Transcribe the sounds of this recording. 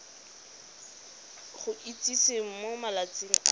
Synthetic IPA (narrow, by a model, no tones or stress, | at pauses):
χʊʔit͡sʼisem̩momalat͡sʼeŋ̩a